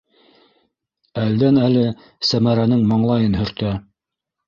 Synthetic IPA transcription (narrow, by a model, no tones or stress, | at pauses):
æld̪ænælɘ | sæmæɾænɘŋmɑɴlˠɑjɤnɦɵ̆ɾt̪æ